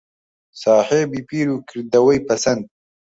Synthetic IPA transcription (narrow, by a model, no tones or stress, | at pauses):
saːheːbipiːɾukiɾd̪ɐwɐjpɐsɐnd̪̚